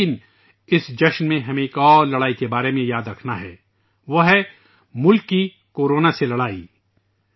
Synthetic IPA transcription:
ɪn | ɪsd͡ʒɐʃnmẽɦɐmẽeːkɔːɾlɐɽaːikebaːɾemẽjaːd̪ɾɐkʰnaɦɛ̰ː | ʋɐɦ | mʊlkːi | koːɾoːnaselɐɽaːiː

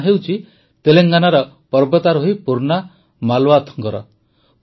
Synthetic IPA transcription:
ɦewt͡ʃʰi | t̪eleŋɡanaɾɔ | pɔɾbɔt̪aɾoɦoipuɾna | malwat̪ʰɔ̥ŋkɔɾɔ̰

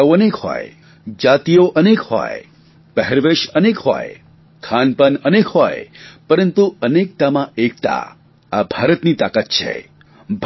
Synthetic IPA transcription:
ənekhɔ̰j | d͡ʒat̪ijoʔənekhɔ̰j | pəɦɛɾʋeʃənekhɔ̰j | kʰanpənənekɦɔjpəɾənt̪uənek̚t̪amãʔek̚t̪a̰ | abʱaɾət̪nit̪akat̪̚t͡ʃʰḛ | bʱ

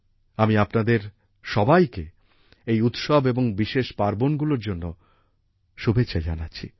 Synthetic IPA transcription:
amiapnad̪eɾ | ʃɔbajke | ejut̪ʃɔbeboŋbiʃeʃpaɾbonɡuloɾd͡ʑonːo | ʃubʱetːɕʰad͡ʑa̰natːɕʰḭ

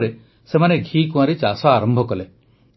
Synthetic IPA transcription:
ɾe | semaneɡʱikũãɾit͡ʃasɔaɾɔmbʱɔkɔle

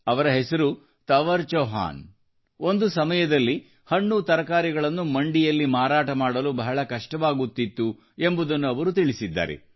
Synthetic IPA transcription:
ɐʋɐɾɐɦesɐɾu | t̪ɐʋɐɾt͡ʃɐːɦa̰ːn | o̞nd̪usɐmɐjɐd̪ɐlːi | hɐɳːut̪ɐɾɐkaːɾiɡɐɭɐnːumɐɳɖijɐlːimaːɾaːʈɐmaːɽɐlubɐɦɐɭɐkɐʂʈɐʋaːɡut̪ːit̪ːu | e̞mbud̪ɐnːuɐʋɐɾut̪iɭisid̪ːa̰ːɾḛ

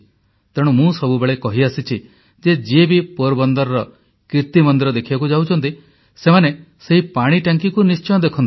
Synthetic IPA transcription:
t̪eɽ̃umũsɔbubeɭekɔɦiasit͡ʃʰi | d͡ʒed͡ʒiebipoɾbɔnd̪ɔɾɔɾɔ | kɾiɾt̪imɔnd̪iɾɔd̪ekʰibakud͡ʒawt͡ʃʰɔnt̪i | semane | seɦipaɽ̃iʈaŋkikunist͡ʃɔj̃ɔd̪ekʰɔnt̪

